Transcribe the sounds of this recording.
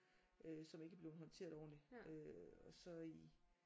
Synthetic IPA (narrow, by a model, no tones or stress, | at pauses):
ʔøsɒ̽me̝ɡ̥æb̥le̝ːʊð̩ˠɦɒ̽nt͡sʰe̝̰ɐðˠɒʊ̰ɐdeøɒ̽sɒ̽i